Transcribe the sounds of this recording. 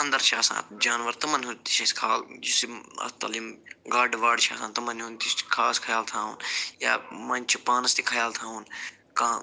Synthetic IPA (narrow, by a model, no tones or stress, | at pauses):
ɐnd̪ɐɾt͡ʃʰaːsã̰ːd͡ʒaːnʋɐɾt̪ɐmɐnɦũt̪i̥t͡ʃʰɐskʰaːld͡ʒusiɐ̰t̪ɐ̰limɡaːɖʋaːɖt͡ʃʰa̰ːsãːnt̪ɐmɐnɦũnt̪iskʰaːskʰɐjaːlt̪ʰãːṵːnja̰ːmɐnʲt͡ʃʰipaːnɐst̪ikʰɐjaːlt̪ʰãːɦun | kãː